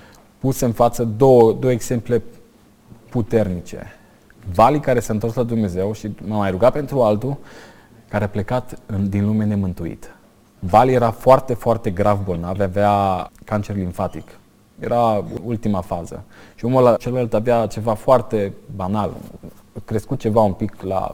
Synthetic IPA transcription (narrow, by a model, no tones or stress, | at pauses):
puseɨnfat̪səd̪owəd̪o̞woeɡzse̞mple̞ | put̪e̞rnit͡ʃe̞̰ | valikaɾe̞saɨnt̪o̞rslad̪umne̞ze̞wʃiməmajɾuɡape̞nt̪ɾualt̪u | kaɾeaple̞kat̪ɨnd̪inlumene̞mɨnt̪uḭt̪ | valije̞ɾafoart̪e̞foart̪e̞ɡɾavbo̞lnavaveakant͡ʃe̞rliɱfat̪ik | je̞̰ɾa̰ult̪imafazə̰ʃiumulat͡ʃelalt̪avat͡ʃe̞vafoart̪e̞banal | kɾe̞skut̪̚t͡ʃe̞vaumpikla̰